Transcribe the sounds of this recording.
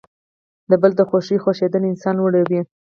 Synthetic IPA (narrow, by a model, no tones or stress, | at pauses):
d̪əbəld̪əxoʃixoʃed̪əlɪnsɑnwəɽəwi